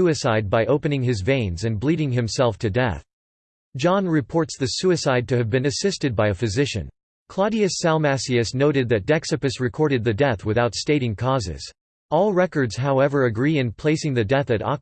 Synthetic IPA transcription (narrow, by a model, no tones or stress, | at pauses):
uɨsaɪd̚baɪʔoʊpɨnɪ̃ŋɪzvẽɪ̃nzɨ̃nbliɾɪ̃ŋɨ̃msɛlˠftʰɨdɛ̰θ | d̥ʒ̥ɑ̃nɹɨpʰɔɹtsðɨsʉɨsaɪd̚tʰɨɨvbɨ̃nɨsɪstɨd̚baɪɨfɨzɪʃɨ̰̃n | kʰl̥ɑɾiɨsælˠmæsiɨsnoʊɾɨd̪̚ðɨt̚d̥ɛksɨpɨsɹɨkʰɔɹɾɨd̪̚ðɨdɛθwɨθaʊtsteɪɾɪ̃ŋkʰɔzɪ̰z̥ | ɔlˠɹɛkə˞dz̥ɦaʊɛvə˞ɨɡɹiɨ̃npʰl̥eɪsɪ̃ŋðɨdɛθɨɾɑ̰